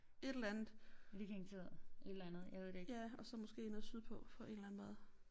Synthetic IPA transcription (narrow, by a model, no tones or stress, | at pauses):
e̝d̥el̩ænð̩ˠlikeŋt͡sʰe̝ɐð̩ˠe̝d̥elænð̩ˠjɑʋe̝ð̰d̥ejæɒ̽sɒ̽mɔ̽sɡ̥e̝̰ːenəsyðˠpʰɒ̽fɒ̽e̝d̥læn̩ˠmɔ̽ːð̩ˠ